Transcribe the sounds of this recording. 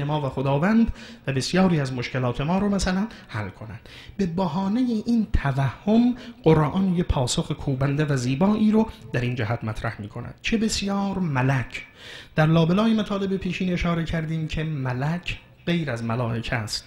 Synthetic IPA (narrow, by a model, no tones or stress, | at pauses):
emɒːvæxod̪ɒːvænd̪væbe̞sjɒːɾiːæzmoʃke̞lɒːt̪ʰe̞mɒːɾomæsælænhælkʰo̞næ̰nd̪̥ | be̞bæɦɒːnejeʔiːnt̪ʰævæhːomɢ̥oɾʔɒnjepʰɒːsoxekʰuːbænd̪evæziːbɒːʔiːɾod̪̥æɾiːnd͡ʒæhæt̪mæt̪ʰɾæhmiːkʰo̞næ̰d̪̥t͡ʃʰe̞be̞sjɒːɾmælæcʰ | d̪̥æɾlɒːbelɒːjemæt̪ʰɒːle̞bepʰiːʃiːne̞ʃɒːɾe̞cʰæɾd̪iːmcʰe̞mælæcʰ | ɢe̞jɾæzmælɒːʔe̞cʰæst̪